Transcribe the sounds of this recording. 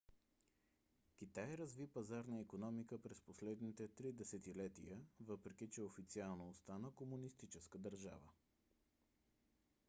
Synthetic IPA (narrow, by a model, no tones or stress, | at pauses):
k̟ʲit̪ajɾɐzvipɐzaɾnəikonɔmikəpɾɛsposlɛd̪nit̪ɛt̪ɾid̪ɛsɛt̪ilɛt̪ḭjəvɤpɾɛk̟it͡ʃɛofit̪sialˠnoːst̪anəkomunist̪it͡ʃɛskəd̪ɐɾʒa̰və